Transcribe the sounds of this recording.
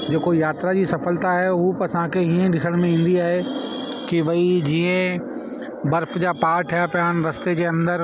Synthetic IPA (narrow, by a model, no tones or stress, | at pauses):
d͡ʑoːkojaːt̪ɾad͡ʑisɐfəlt̪aɦɛupɐsãkeɦiːẽɗɪsəɽ̃mẽĩːnd̪iaːɦe | kiʋɐid͡ʑiːə̃ | bɐɾfd͡ʑaːpaːʈʰjapjaːnɾɐst̪ed͡ʑeːɐ̃nd̪əɾ